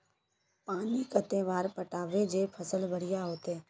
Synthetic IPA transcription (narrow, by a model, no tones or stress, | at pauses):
paːnikət̪eːʋaːɾpəʈaːʋed͡ʒepʰəsəlbʱəɽ̤ɪjaɦoːt̪eː